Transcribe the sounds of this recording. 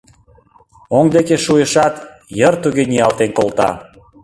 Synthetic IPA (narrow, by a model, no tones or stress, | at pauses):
oŋd̪ekeʃujəʃɑt̪ | jərt̪uɣeniɑlt̪enkolˠt̪ɑ̰